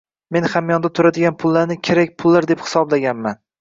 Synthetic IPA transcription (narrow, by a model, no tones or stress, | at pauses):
me̞nχamjɒnd̪at̪ʰʊɾad̪ɪɡʲanpʰʊlˠːaɾnɪkʲʰe̞ɾak̚ʲpʰʊlˠːaɾd̪e̞phɪ̥sɒblaɡʲanman